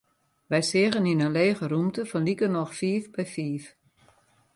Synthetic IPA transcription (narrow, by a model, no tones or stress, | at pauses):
ʋɛjsɪəɣəninənleːɣəɾumtəfɔnlikənɔxfiːfbɛjfiːf